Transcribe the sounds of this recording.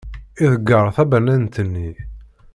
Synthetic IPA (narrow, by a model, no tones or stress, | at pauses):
iðəɡːəɾˤθæbænænt̪ənːi